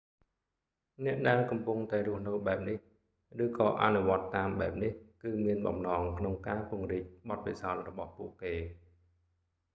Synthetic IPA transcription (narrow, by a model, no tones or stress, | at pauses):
nɛ̆əʔɗaɛŋkɑmpuŋt̪aɛɾʊ̆əhnɨwɓaɛp̚nih | rɨːkɑːʔa̰nuʋŏət̪ːaːmɓaɛp̚nihkɨːmiənɓɑ̰mnɑːŋkʰnoŋkaːpɨ̆əŋriːk̚ɓɑt̪̚pisaɔt̪̚rɔɓɑhpuəʔkeː